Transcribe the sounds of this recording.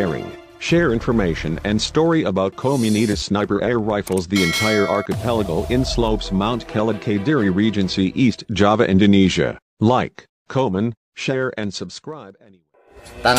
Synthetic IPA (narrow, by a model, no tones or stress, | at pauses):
ɛɹɪ̰̃ŋ | ʃɛɹɪ̃ɱfə˞meɪʃɨ̃nɨ̰̃nstɔɹiəbaʊt̚kʰoʊmjɨniɾɨ̥snaɪpə˞ʔɛə˞ɹaɪfl̩ˠzðiɨ̃ntʰaɪə˞ʔɑɹkɨpʰɛlˠəɡəlˠʔɪ̃nsloʊpsmãʊ̃nkʰɛlˠəd̚kʰeɪdɪɹiɹid͡ʒɨ̃nsiʔistd̥ʒ̥ɑvɨʔɪ̃ndoniʒɨ̰ | laɪkʰː | oʊmə̃n | ʃɛɹʔɨ̃nsəb̥skɹaɪbɛniwɛ